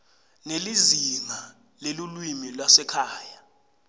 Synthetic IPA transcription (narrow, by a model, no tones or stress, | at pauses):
nelizima | lelulwimilwasɛkʰaːja